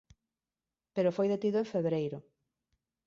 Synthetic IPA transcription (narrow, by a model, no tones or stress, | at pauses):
peɾofojðet̪iðoeɱfeβɾejɾʊ